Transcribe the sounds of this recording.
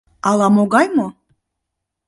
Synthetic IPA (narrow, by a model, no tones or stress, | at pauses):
ɑlˠɑmoɡɑjmo